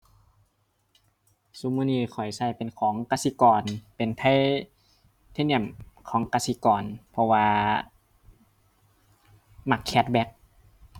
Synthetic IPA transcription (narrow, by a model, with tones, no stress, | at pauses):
su˧˦muː˧niː˧˩kʰɔ˨˩jsa˧˩jpe˨nkʰɔː˨˦ŋkaː˧si˧˦kɔː˨˩npe˨˩nt̪ʰa˧˥˨j | t̪ʰa˧˥˨ni˧˩˨mkʰɔː˨˩˦ŋka˧si˧˦kɔː˨˩npʰɔ˧waː˧ | ma˧˩kʰːɛ˧˩t̪̚bɛ˧˥k̚